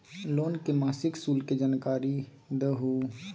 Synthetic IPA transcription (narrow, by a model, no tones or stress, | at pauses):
loːnkemaːsɪkskuːlked͡ʒankaːɾi | d̪əɦu